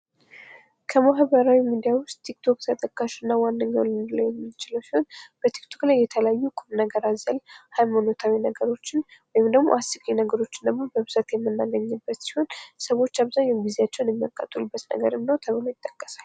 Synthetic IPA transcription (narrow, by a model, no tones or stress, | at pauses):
kʰəmaɦβəɾawimid̪ijawʊst̪ʰːik̚t̪ʰo̞k̚t̪ʰət̪ʼəkʼːaʃunːawandəɲːa̰wlɨnd̪ləwjɛmːɨt͡ʃɪləwsiho̞nb̥ət̪ʰi̥kt̪ʰo̞klajːɛt̪ʰələajːukʼuɾnəɡəɾazəlhajmanot̪ʰawinəɡəɾo̞t͡ʃːɪnwɔjɪmd̪əɡmoʔasikʼinəɡəɾo̞t͡ʃːɪnd̪əɡmo̞bəβzət̪jɛmːɨnːaɡəɲːɨbːət̪si̥ho̞nsəwo̞t͡ʃːaβzaɲɛɡizeat͡ʃːɛwnjɛmːijakʼːət̪ʼulɨbːət̪nə̰ɡə̰ɾɨmnəwt̪ʰəβɨlo̞jɪt̪ʼːəkʼːə̥sal